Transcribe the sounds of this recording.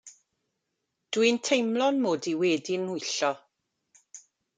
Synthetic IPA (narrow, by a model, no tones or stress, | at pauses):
d̥wintʰejmlˠɔnmoːdiwɛːdɪnʊjɬɔ